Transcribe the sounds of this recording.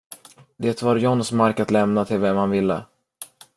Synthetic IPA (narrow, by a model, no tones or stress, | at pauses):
d̪eːt̪vaɾjɔnːsmaɾkat̪lɛmnat̪ʰɪlvɛmhanvɪlːə̰